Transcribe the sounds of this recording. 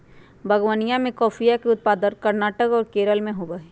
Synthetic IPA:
bʱɐɡwanijãmẽkɔːfʰijakeʊt̪̚paːd̪ənkɐɾnaːʈəkɔːɾkeːɾəlmẽɦoːbəɦeː

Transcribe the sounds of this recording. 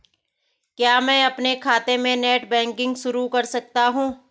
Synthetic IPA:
kjaːmɛ̃ːɐpnekʰaːt̪emẽneːʈbɛ̃ːŋkɪ̃ŋɡʃʊɾukɐɾsɐk̚t̪aɦũː

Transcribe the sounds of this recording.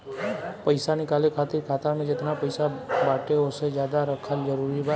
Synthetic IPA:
pəjsanikalekʰat̪iɾkʰat̪aɾmed͡ʒet̪napəjsabaʈeosed͡ʒjad̪aɾəkʰald͡ʒəɾuɾiba

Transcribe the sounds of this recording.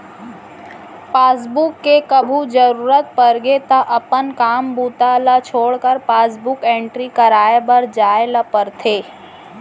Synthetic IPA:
paːsbukːekəbʱud͡ʒəɾuːɾət̪̚pəɾɡet̪ɐʔɐpənkaːmbuːt̪alat͡ʃʰoːɽkəɾpaːsbʊkẽːɳʈɾikɐɾaːebəɾd͡ʒaːeləpəɾt̪ʰeː

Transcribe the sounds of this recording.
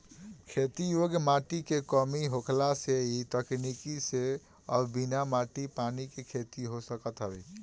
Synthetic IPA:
kʰet̪ijoɡmaʈikekəmiɦokʰlaseit̪əknikise | əbinamaʈipanikekʰet̪iɦosəkət̪ɦəbɛ

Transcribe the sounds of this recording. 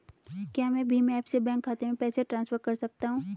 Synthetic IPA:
kjaːmɛ̃ːbʱimɛ̃ɛːpsebɛ̃ːŋkʰːaːt̪emẽpɛːseʈɾãːnsfəɾkɐɾsɐk̚t̪aɦũː

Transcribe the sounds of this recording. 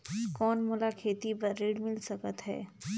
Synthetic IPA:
kɔːnmʊlakʰeːt̪ibɐɾːeːɽmɪlsɐkət̪ɦɛ̰ː

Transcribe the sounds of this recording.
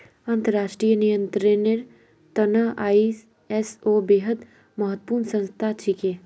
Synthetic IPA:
ə̃nt̪əɾaːʃʈɾijənijə̃nt̪ɾeneɾ | t̪ɐnaʔaːi | ɛsoːbeːɦəd̪ | mɐɦət̪ːpuːɾnsə̃nst̪ʰat͡ʃʰikeː

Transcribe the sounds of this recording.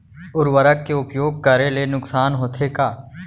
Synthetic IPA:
ʊɾʋəɾəkːeʊpjoːɡ̚kəɾelenʊksaːnɦoːt̪ʰekaː

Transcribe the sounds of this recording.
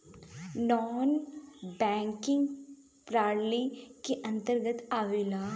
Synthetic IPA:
nɔːnbɛ̃ːŋkɪ̃ŋɡ | pɾaːɽlikeʔɐ̃nt̪əɾɡət̪aːʋeːlaː

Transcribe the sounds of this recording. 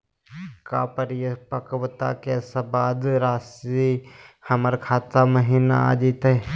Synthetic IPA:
kaːpəɾjəpəkəʋt̪a̰keːsabaːd̪ɾaːsihəməɾkʰaːt̪aməɦiːna̰a̰ːd͡ʒiːt̪e

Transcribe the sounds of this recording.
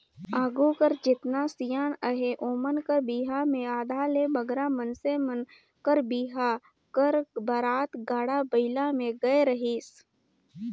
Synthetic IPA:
aːɡukəɾd͡ʒɪt̪nasijaːnəɦeʔoːmənkəɾbiːɦamẽaːd̪ʱalebɐɡɾamənsemən | kəɾbiːɦa | kəɾbɐɾaːt̪ɡaːɽabəɪlamẽɡɐeɾɐɦiːs

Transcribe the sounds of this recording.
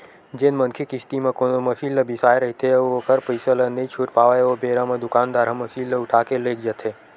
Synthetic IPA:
d͡ʒenmənkʰikɪst̪imẽkonomɐsiːllɐbɪsaːeɾɐɦit̪ʰeokəɾpəisələneit͡ʃʰuːʈpaːʋajeobeːɾamẽd̪ʊkaːnd̪aːɾɦɐ̃mːɐsiːllɐʊʈʰaːkeleːk̚ʰd͡ʒət̪ʰeː

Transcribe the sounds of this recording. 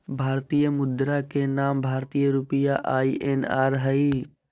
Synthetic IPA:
bʱaːɾt̪ijəmʊd̪ɾakenaːmbʱaːɾt̪ijəɾʊpɪjaʔaːiʔenaːɾɦɐiː

